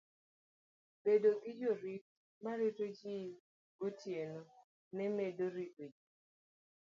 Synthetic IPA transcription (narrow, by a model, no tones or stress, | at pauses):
b̥edoɡɪjoɾit̚ | maɾitod͡ʒi | ɡotjeno | nɛmedoɾitod͡ʒi